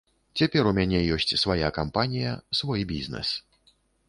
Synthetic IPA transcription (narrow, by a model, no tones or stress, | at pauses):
t͡sʲapʲɛɾumʲanʲɛjɔsʲt͡sʲsvaja̰kampanʲijɐ̰svɔjbʲiznɛ̰s